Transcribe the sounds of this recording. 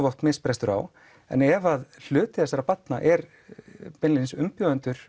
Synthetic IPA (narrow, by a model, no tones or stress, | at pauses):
vɔht̪mɪðspɾɛst̪ʏɾa̰w | ɛ̰nɛvaðl̥ʏːt̪ɪðɛsaɾawpat̪naʔɛɾ | pɛnlinsʏmpjɔːʏnt̪ʏɾ̥